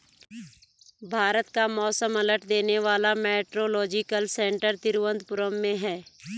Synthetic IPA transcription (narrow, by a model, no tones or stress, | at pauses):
bʱaːɾət̪kamɔːsəmələʈʰd̪eːneʋaːlamɛːʈɾolɔːd͡ʒɪkəlsɛ̃ːɳʈəɾt̪ɪɾwə̃nd̪̚pʊɾəmːẽɦɛː